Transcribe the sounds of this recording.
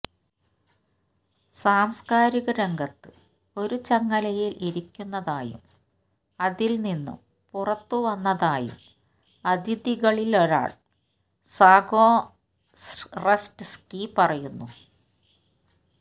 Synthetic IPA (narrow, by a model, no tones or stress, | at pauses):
saːmskaːɾiɣɐɾeŋɡɐt̪ːɨ | o̞ɾut͡ɕɐŋːɐlɐjilʔiɾikʲːunːɐðaːjṵm | ɐðilninːṵm | purɐt̪ːuʋɐnːɐðaːjṵm | ɐd̪ʱiðiɣɐɭiloɾa̰ːɭ | saːɡoː | respskipɐrɐjunːu